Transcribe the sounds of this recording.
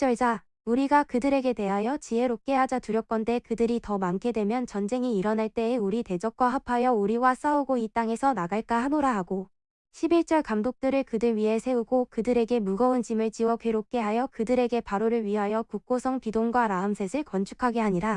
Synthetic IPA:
t͡ɕ͈ʌɭd͡ʑa | uɾiɡakɯdɯɾe̞ɡe̞te̞ɦajʌt͡ɕiɦe̞ɾok͈e̞ɦad͡ʑatuɾjʌk͈ʌnde̞kɯdɯɾitʌmankʰe̞dwe̞mjʌnt͡ɕʌnd͡ʑe̞ŋiːɾʌnaɭt͈e̞ːuɾite̞d͡ʑʌk̚k͈waɦapʰajʌuɾiwas͈auɡoit͈aŋe̞sʰʌnaɡaɭk͈ahanoɾaɦaɡo | ɕʰibiɭt͡ɕ͈ʌɭkamdok̚t͈ɯɾɯɭkɯdɯɭɥiɦe̞sʰe̞uɡokɯdɯɾe̞ɡe̞muɡʌunt͡ɕimɯɭt͡ɕiwʌkʰeɾop̚k͈e̞ɦajʌkɯdɯɾe̞ɡe̞paɾoɾɯɭɥiɦajʌkuk̚k͈osʰʌŋpidoŋɡwaɾaɯmsʰe̞sʰɯɭkʌnt͡ɕʰu̥kʰaɡeɦaɲiɾa

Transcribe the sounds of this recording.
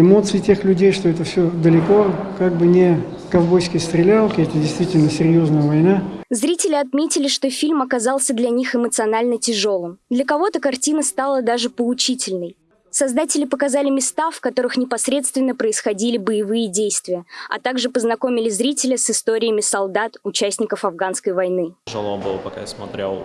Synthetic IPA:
ɪmo̞t̪sɨɪtʲexlʲʉdʲejʂt̪oɛt̪əfsʲod̪əlʲɪko̞kaɡ̚bɨnʲɪ | kɐvbojsʲkʲəjst̪ɾʲɪlʲalˠkʲɪɛt̪ədʲɪjst̪vʲitʲɪlʲnəsʲɪɾʲjo̞znəjəvɐjnazɾʲitʲɪlʲɪɐt̪mʲetʲɪlʲɪʂt̪o̞fʲilʲmɐkɐzɑlˠsʲəd̪lʲɐnʲixɨmət̪sɨɐnalʲnətʲɪʐo̞lˠɨmd̪lʲəkɐvo̞t̪əkɐrtʲinəst̪alˠəd̪aʐɨpəʊt͡ɕitʲɪlʲnəj | sɐzd̪atʲɪlʲɪpəkɐzalʲɪmʲɪst̪afkɐt̪o̞ɾɨxnʲɪpɐsɾʲe̞t̪st̪vʲɪnːəpɾəɪsxɐdʲilʲɪbəjɪvɨjədʲejst̪vʲɪjəɐ̰t̪aɡʐɨpəznɐko̞mʲɪlʲɪzɾʲitʲɪlʲɪsɨst̪o̞ɾʲɪəmʲɪsɐlˠd̪at̪ʊt͡ɕæsʲnʲɪkəfɐvɡanskəjvɐjnɨʐɨlˠobɨ̰lˠəpɐka̰jasmɐt̪ɾʲḛlˠ

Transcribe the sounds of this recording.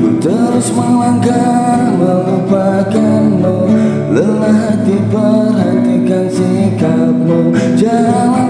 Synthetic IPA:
t̪əɾʊsməŋlaŋkat̪məlupakanːo | ləlaɦat̪ipərɦant̪ikansikat̪̚mud͡ʒala

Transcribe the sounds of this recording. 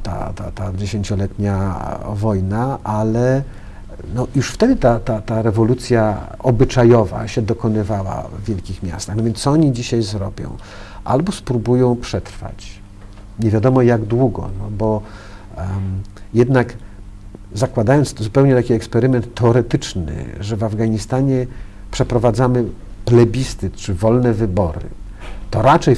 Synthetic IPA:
t̪a̰t̪a̰t̪ad͡ʑeɕeɲt͡ɕɔlɛt̪ɲavɔjnaʔalɛ | nɔjuʂft̪ɛd̪ɘt̪at̪at̪aɾɛvɔlut̪sʲja | ɔbɘt͡ʂajɔva̰ɕɛd̪ɔkɔnɘvawa̰vːʲjɛlkʲixmʲja̰st̪axnɔvjɛnsɔɔɲid͡ʑiɕajzɾɔbʲjɔ̰̃w̃ | ʔa̰lbɔspɾubujɔ̃w̃pʂɛt̪ɾfa̰t͡ɕ | ɲɛvʲjad̪ɔmɔjaɡd̪wuɡɔ̰nɔbɔ | jɛd̪nak | zakwad̪ajɔnt̪szupɛwɲɛt̪akʲiɛkspɛɾɘmɛnt̪ʰːɛɔɾɛt̪ɘt͡ʂnɘ̰ʐɛvavɡaɲist̪aɲɛ | pʂɛpɾɔvad̪zamɘ | plɛbʲist̪ɘt̪t͡ʂɘvɔlnɛvɘbɔɾɘ̰ | t̪ɔɾat͡ʂɛj

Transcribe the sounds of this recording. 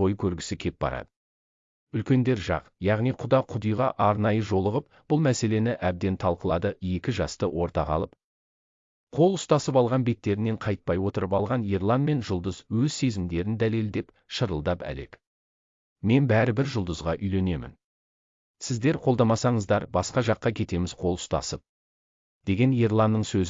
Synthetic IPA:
o̞jəkʲʰɵɾɡʲɪ̥sɪkʲʰe̞p̚b̥ɑ̰ɾɑ̰d̪ə | ʏlkʲe̞nd̪e̞ɾʒɑ̰qjɑʁnijqʰʊd̪ɑqʰʊd̪əjʁɑʔɑɾnɑjəʒo̞lˠəʁəp̚ | b̥ʊlˠmæse̞le̞nɪʔæb̚d̪e̞nt̪ʰɑlˠqəlˠɑd̪əje̞kʲɪʒɑst̪əwʔo̞ɾt̪ɑqɑ̰lˠəp | qʰo̞lˠʊst̪ɑsəpɑlˠʁɑnbe̞t̪ːe̞ɾɪnːe̞ɴqʰɑjt̪̚pɑjwo̞t̪əɾəpɑlˠʁɑnjeɾlˠɑnme̞nʒʊlˠd̪əzwɵzse̞zɪmd̪e̞ɾɪnd̪æle̞ld̪e̞p | ʃəɾəlˠd̪ɑpæ̰le̞̰k | me̞nbæɾɪbɪɾʒʊlˠd̪əzʁɑʔʏjle̞ne̞mɪ̰n | sɪzd̪e̞ɾqʰo̞lˠd̪ɑmɑsɑɴəzd̪ɑɾbɑsqɑʒɑqːɑkʲʰe̞t̪e̞mɪzqʰo̞lˠʊ̥st̪ɑ̰səp̚ | d̪̥e̞ɡʲe̞njeɾlˠanːəɴsɵz

